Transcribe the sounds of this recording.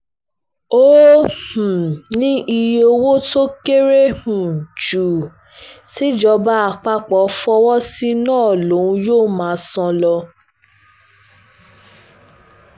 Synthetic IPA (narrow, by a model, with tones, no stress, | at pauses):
o˦h̩˨nĩ˦ʔi˧jo˧wo˦to˦ke˦ɾe˦hũ˨d͡ʒu˨ | ti˦d͡ʒɔ˧ba˦a˧˨k͡pa˧k͡pɔ˨˦fɔ˧wɔ˦si˦nãː˦˨lo˨˦ũ˧˦joː˦˨mãː˨˦˧sɔ̃˧lɔ˧